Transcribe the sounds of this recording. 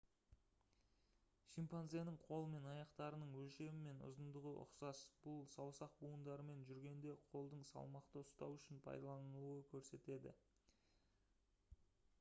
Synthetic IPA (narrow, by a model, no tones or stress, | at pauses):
ʃimpanzenɪɴqʰo̞lˠəme̞nɑjɑqt̪ɑɾənəɴwɵlʃe̞mɪme̞nʊ̰zənd̪əʁəʔʊ̰qsɑsb̥ʊlˠsɑwsɑq̚buənd̪ɑɾəme̞nʒʏɾɡʲe̞nd̪e̞qʰo̞lˠd̪əɴsɑ̰lˠmɑqt̪əʊst̪ɑ̰wʏʃɪnpʰɑ̰jd̪ɑlˠɑnuwəkʲʰɵɾse̞t̪e̞d̪ɪ̰